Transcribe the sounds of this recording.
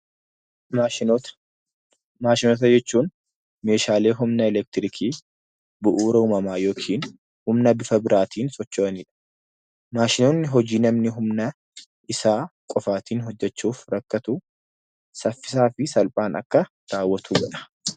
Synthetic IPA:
maːʃɪnoːt̪̬ɐd͡ʒɛt͡ʃːuːn | me̞ːʃaːle̞ːɦʊmnɐɛlɛk̚t̪ɪɾɪkʰiː | bʊʔuːɾɐuːmɐmaːjo̞ːkʰiːn | hʊmnɐbɪfɐbɪɾaːt̪ʰiːnsʼɔt͡ʃːoːɐniːᶑɐ̥ | maːʃɪnoːnːɪɦɔd͡ʒiːnɐmnɪɦʊmnɐ | ʔɪsaːkʼɔfaːt̪ʰiːnɦɔd͡ʒːɛt͡ʃːuːfɾɐkːɐt̪ʊ | sɐfːɪ̥saːfɪsɐlpʼaːnɐ̰kːɐ | ɾaːwːɐt̪ʰuːɡɐᶑɐ̥

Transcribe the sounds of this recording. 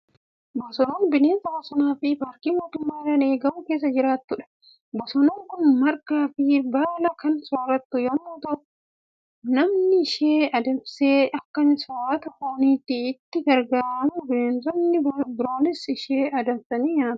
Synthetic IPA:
bɔsɔnoːnbɪneːnzɐbɔsɔnaːfɪpaːɾkiːmoːt̪ʊmːaːɾɐne̞ːɡɐmʊke̞ːs̬ːɐd͡ʒɪɾaːt̪ːʊᶑɐ̥ | bɔsɔnoːŋkʊnmɐɾkaːfɪbaːlɐkɐnsoːɾɐt̪ːʊjomːoːt̪ɐ | nɐmnɪɪʃeːɐd̪ɐmseːʔɐkːɐnsoːɾɐt̪ɐhoːniːt̪ːɪɪt̪ːɪɡɐɾɡaːɾɐmʊbɪneːnzɔnːɪbɪɾoːnɪsɪʃeːʔɐd̪ɐmsɐniːɲaːt̪ɐ̥

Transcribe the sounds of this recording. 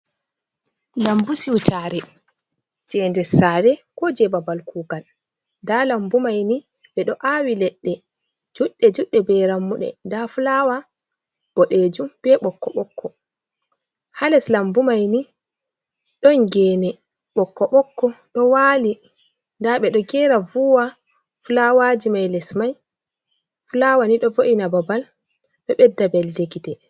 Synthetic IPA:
lambusiwt͡ʃaɾɛ | d͡ʒɛːndɛsaːɾɛkɔd͡ʒɛbabalkuːɡal | dalambumajni | ɓɛɗɔʔawilɛɗːɛ | d͡ʒuɗːɛd͡ʒuɗːɛbɛɾamːuɗɛ̰ndafulaːwa | b̥ɔɗed͡ʒumb̥ɛɓɔkːɔɓɔkːɔ | halɛslambumajni | ɗɔŋɡɛːnɛ | ɓɔkːɔɓɔkːɔɗɔwaːli | ndaɓɛɗɔɡɛːɾavuwa | fulawad͡ʒimajlɛsmaj | fulawaniɗɔvoʔinababal | ɓɛɓɛdːabɛldeɡitɛ

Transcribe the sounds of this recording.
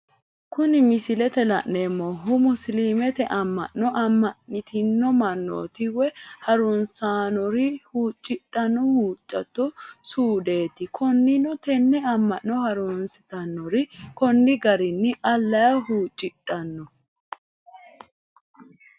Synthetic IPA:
kʊnɪmɪsɪlɛt̪ɛlɐ̰ʔːemːɔɦʊmʊsliːmɛt̪ɛʔɐmːɐ̰ʔːɔʔɐmːɐʔɪt̪ɪnːɔmɐnːo̰ːt̪ɪwɛhɐɾunsaːnɔɾɪhuːt͡ʃʼːɪt̪ʼːɐnːɔhuːt͡ʃʼːɐt̪ːɔsuːd̪e̞ːt̪ɪkʰɔnːɪnɔt̪ɛnːɛɐmːɐʔːɔhɐɾuːnsɪt̪ɐnːɔɾɪkɔnːɪɡɐɾɪnːɪʔɐlːɐjɐhuːt͡ʃʼːɪt̪ʼːɐnːɔ

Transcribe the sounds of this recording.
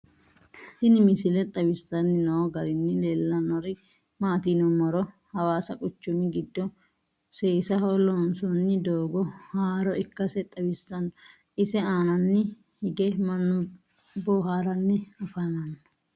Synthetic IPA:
sɪnɪmɪsɪlɛt̪ʼɐbɪsːɐnːɪnɔwɔɡɐɾɪnːɪleːlːɐnɔɾɪ | maːt̪iːnɔmɐɾɔ | hɐwaːsɐkʼʊt͡ʃːʊmɪɡɪd̪ːɔ | seːsɐɦɔlɔnsɔnːɪd̪oːɡɔhaːɾɔɪkːɐsɛt̪ʼɐbɪsːɐnːɔ | ɪsɛaːnɐnːɪ | hɪɡɛmɐnːʊ | bɔːɦaːɾɐnːɛɐfɐnɐnːɔ

